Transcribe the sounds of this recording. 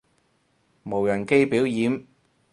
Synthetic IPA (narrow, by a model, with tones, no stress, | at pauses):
mo˨˩wjɐ˨˩nke˥jpiː˨˥wjiː˨˥m